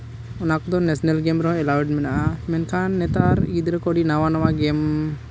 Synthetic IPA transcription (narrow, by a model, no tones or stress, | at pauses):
ɔnakud̪ɔnɛsnelɡemɾɔ̃ɛlawɖmɛnaʔamɛnkanːɛt̪aɾid̪iɾɐkoɽinaʋanɔʋaɡem